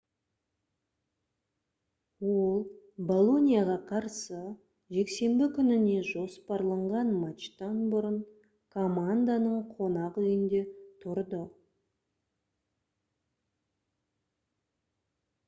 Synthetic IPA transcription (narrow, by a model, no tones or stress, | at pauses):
wo̞lˠbo̞lˠo̞nʲijaʁɑqʰɑɾsə | ʒe̞kse̞mbɪkʲʰʏnɪne̞ʒo̞spɑɾlˠəɴʁɑnmat͡ʃt̪ɑnbʊɾəɴ | kʰomand̪anəɴqʰo̞nɑqʏjɪnd̪e̞t̪ʰʊɾd̪ə